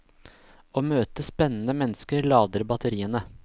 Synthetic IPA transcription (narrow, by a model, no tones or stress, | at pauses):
oːmøːt̪əspɛnːn̩əmɛnskəɾlɑːd̪əɾbɑt̪ʰəɾiːənə